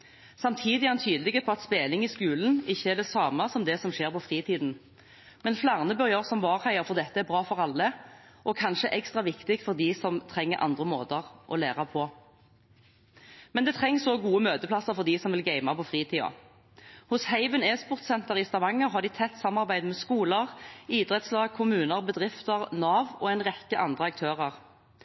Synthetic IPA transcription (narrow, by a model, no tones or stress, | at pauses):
sɑmt̪ʰiːd̪ɪɑnt̪ʰyːd̪lɪɡəpʰɔɑt̪speːlɪŋɪskʉːln̩ɪçːəæd̪ɛsɑːmɑsɔmd̪ɛsɔmʃeːʁpɔfʁiːt̪ʰiːd̪n̩ | mɛnflɑʁnəbœʁjəʁsɔmʋɑːʁhæɪəfɔʁd̪ɛt̪ːəæbʁɑːfɔʁɑlːə | ʔɔkʰɑnʃəʔɛkst̪ʁɑʋɪkt̪ɪk̪̚fɔʁd̪isɔmt̪ʰʁɛŋːəɾʔɑ̰nd̪ʁəmo̰ːt̪əʁʔɔ̰leːʁɑpʰɔ | mɛnd̪ɛːt̪ʰʁɛŋːsɔɡuːəmøːt̪əpʰlɑsəʁfɔʁd̪iːsɔmʋɪlɡæɪmɑpʰɔfʁiːt̪ʰiːo̰ | hʊshæɪʋənɛːspɔʁt̪sɛnt̪əʁɪst̪ɑʋɑŋːəʁɦɑʁd̪ɪt̪ʰɛt̪ːsɑmːɑʁbæɪd̪mɛskuːləʁiːd̪ʁɛt̪slɑːɡ̚kʰʊmʉːnəʁbəd̪ʁɪft̪əʁnɑːʋɔɛɪnʁɛkːəʔɑnd̪ʁəɑk̚t̪ʰøːʁəʁ